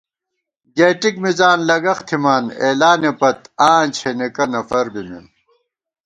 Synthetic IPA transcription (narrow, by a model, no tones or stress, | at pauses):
ɡeːʈikmizaːnlɐɡɐxt̪ʰimaːneːlaːnepɐt̪̚aːnt͡ɕʰenikɐnɐfɐɾbimḭn